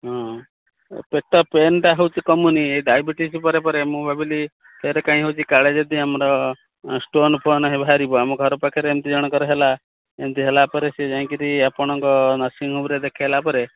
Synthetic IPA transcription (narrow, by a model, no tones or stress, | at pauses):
ɦɔ̃ | pek̚ʈɔpenʈaɦewt͡ʃʰikɔmunieɖajbiʈispɔɾepɔɾemũbʱabili | pʰeɾekãĩɦewt͡ʃʰikaɭed͡ʒed̪iamɔɾɔ | sʈonpʰɔnɦebʱaɾibɔamũɡʱɔɾɔpakʰeɾeemt̪id͡ʒɔɽ̃ɔkɔɾɔɦela | emt̪iɦelapɔɾesid͡ʒãĩkiɾiapɔɽ̃ɔ̃ŋkɔnasiŋɦobɾed̪ekʰalapɔɾe